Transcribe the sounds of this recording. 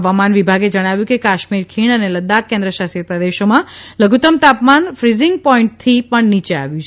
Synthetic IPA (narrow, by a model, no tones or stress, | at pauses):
ʋamanʋibʱaɡed͡ʒəɽ̃aʋjũkekaʃmiɾkʰiɳəneləd̪akːɛ̃nd̪ɾəʃasiɾt̪ad̪eʃomãləɡʱut̪əmt̪apmanfɾizɪŋɡ̚pɔiɳʈ̚t̪ʰipəɳnit͡ʃea̰ʋjũt͡ʃʰ